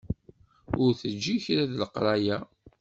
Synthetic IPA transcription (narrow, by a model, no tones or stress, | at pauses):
ʊɾθəd͡ʒːiçɾæðləqɾˤɑjæ